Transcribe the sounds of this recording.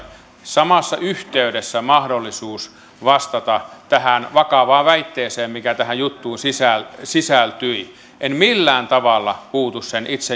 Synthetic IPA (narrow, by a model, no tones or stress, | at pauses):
sɑmɑsːɑ̰yht̪eydesːæmɑhdolːisuːs | ʋɑst̪ɑt̪ɑt̪æhænʋɑkɑʋɑːʋʋæit̪ːeːseːmmikæt̪æhæjjut̪ːuːnsisælsisælt̪yi | ʔenmilːæːnt̪ɑʋɑlːɑpuːt̪ussenʔit̪se